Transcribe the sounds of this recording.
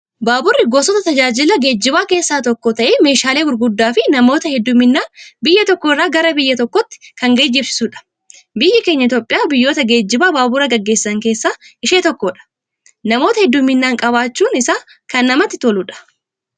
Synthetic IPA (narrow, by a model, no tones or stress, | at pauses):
baːbʊrːɪɡoːsɔt̪ɐt̪ɐd͡ʒaːd͡ʒɪlɐɡe̞ːd͡ʒːɪbaːke̞ːsːaːt̪ɔkːɔt̪ɐʔeːme̞ːʃaːleːɡʊɾɡʊd̪ːaːfɪnɐmo̞ːt̪ɐhɛd̪ːʊmːɪnːaːbɪjːɐt̪ɔkːɔɪrːaːɡɐɾɐbɪjːɐt̪ɔkːɔt̪ːɪ̥kɐŋɡeːd͡ʒːɪbsɪ̥sʊᶑɐ̥ | bɪjːɐke̞ːɲːɐɪt̪oːpʼːɪjaːbɪjːo̞ːt̪ɐɡe̞ːd͡ʒːɪbaːbaːbʊɾɐɡɐɡːe̞ːsːɐŋkeːsːaːɪʃeːt̪ɔkːɔᶑɐ̥ | nɐmo̞ːt̪ɐhɛd̪ːʊmːɪnːaːŋkʼɐbaːt͡ʃːuːnɪsaː | kɐnːɐmɐt̪ːɪt̪olʊᶑɐ̥